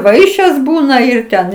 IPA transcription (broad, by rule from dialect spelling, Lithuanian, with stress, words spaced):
ˈʋɐɪʃʲeːs ˈbuːnɐ ˈɪr ˈtʲɛn